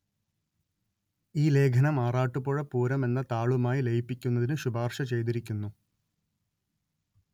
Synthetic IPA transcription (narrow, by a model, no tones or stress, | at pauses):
iːle̞ːɡʰʱɐnɐmaːraːʈːupːoːɻɐpuːɾɐme̞nːɐt̪aːɭumaːjilejipːikʲːunːɐðinɨɕubaːrʂɐt͡ɕe̞jt̪̬iɾikʲːunːu